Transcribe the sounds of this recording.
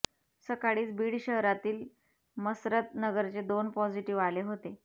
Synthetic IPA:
səkaɽiːt͡sbiːɽɕəɦɾat̪iːl | məsɾət̪nəɡəɾt͡sed̪onpɔd͡ʑiʈiʋaleɦot̪e

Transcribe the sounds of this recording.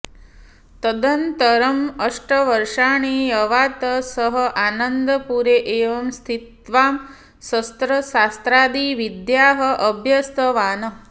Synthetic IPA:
t̪əd̪ənt̪əɾəməʂʈəʋəɾʃaːɳ̃ijɐʋaːt̪əsəɦəʔaːnənd̪əpuɾeʔeːʋɐmst̪ʰit̪ʋaːm | səst̪ɾəsast̪ɾaːd̪iʋid̪jaːɦəʔəbʱjɐst̪ʰəʋaːnə

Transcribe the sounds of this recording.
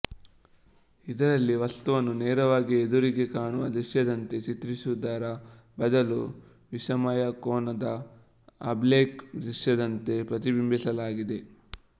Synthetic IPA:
id̪ɐɾɐlːiʋɐst̪uʋɐnːuneːɾɐʋaːɡied̪uɾiɡe̞kaːɳuʋɐd̪ɾiʃjɐd̪ɐnt̪e̞t͡ʃit̪ɾiʃud̪aːɾɐ | bɐd̪ɐlu | ʋiʃɐmɐjɐkoːnɐd̪ɐ | ɐ̰bleːkd̪ɾiʃjɐd̪ɐnt̪e̞pɾɐt̪̬ibimbʱisɐlaːɡid̪e̞

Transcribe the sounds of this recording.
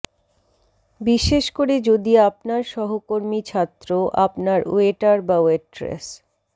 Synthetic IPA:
biʃeʃkoɾed͡ʑod̪iapnaɾʃɔɦokoɾmit͡ɕʰat̪ːɾoʔapnaɾṵeʈaɾbaueʈɾḛs

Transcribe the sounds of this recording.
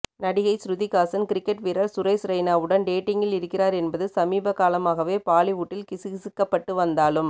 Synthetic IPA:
nɐɽɪɣɐɪsɾʊðikaːsɐnkɪɾɪkːɛʈʋɪɾɐɾsʊɾɐɪsɾɐɪnaːʋɯɽɐnɖeːʈːɪŋɡɪlɪɾɯkːɪraːɾɛnbɐðɯsɐmiːbɐkːaːlɐmaːɣɐʋeːpaːlɪʋuːʈːɪlkɪsɯɣɪsɯkːɐpːɐʈːɯʋɐnd̪aːlɯm

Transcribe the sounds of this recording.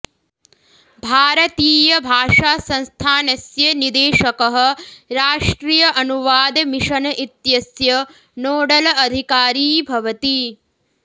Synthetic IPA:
bʱaːɾɐt̪iːjɐbʱaːʂaːsɐ̃nst̪ʰaːnɐsjɐnid̪eːʃɐkɐɦɐ̆ɾaːʂʈɾijɐʔɐnuʋaːd̪ɐmiʃɐnɐʔit̪jɐsjɐ | noːɽɐlɐɐd̪ʱikaːɾiːbʱɐʋɐt̪i

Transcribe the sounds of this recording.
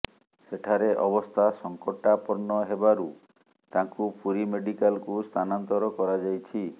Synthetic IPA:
seʈʰaɾeʔɔbɔst̪ʰasɔŋkɔʈːapɔɾɳɔɦebaɾu | t̪ãŋkupuɾimeɖikalkust̪ʰanant̪ɔɾɔkɔɾad͡ʒajt͡ʃʰi

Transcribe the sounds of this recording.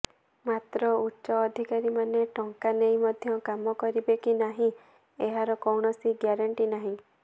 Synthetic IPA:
mat̪ɾɔutːʃɔːd̪ʱikaɾimaneʈɔŋkanejmɔd̪ʱjɔkamɔkɔɾibekinaɦĩ | eɦaɾɔkɔwɳɔsiɡjaɾaɳʈinaɦĩ

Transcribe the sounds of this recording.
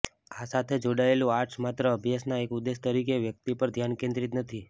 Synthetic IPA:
asat̪ʰed͡ʒoɽaelũaɾʈsmat̪ɾəəbʱjasnaekud̪est̪əɾikeʋjək̚t̪ipəɾd̪ʱjankẽnd̪ɾit̪nət̪ʰi

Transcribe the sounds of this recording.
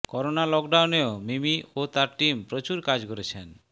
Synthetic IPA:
kɔɾonalɔk̚ɖawneomimiot̪aɾʈimpɾot͡ɕuɾkad͡ʑkoɾet͡ɕʰen

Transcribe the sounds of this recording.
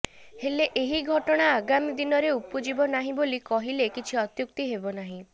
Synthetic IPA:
heleʔeɦiɡʱɔʈɔɽ̃aːɡamid̪inɔɾeupud͡ʒibɔnaɦĩbolikɔɦilekit͡ʃʰiɔt̪juk̚t̪iɦebɔnaɦĩ

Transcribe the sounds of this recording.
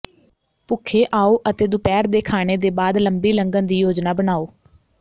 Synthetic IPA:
pʊkʰeːʔaːoːʔət̪eːd̪ʊpɛːɾd̪eːkʰaːɽ̃eːd̪eːbaːd̪ləmbiːləŋɡənd̪iːjoːd͡ʒnaːbənaːoː

